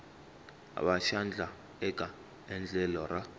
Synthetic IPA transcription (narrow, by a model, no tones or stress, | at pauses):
a̰ɓaʃand͡ɮʱa | ɛkʼa | ɛnd͡ɮʱɛlɔra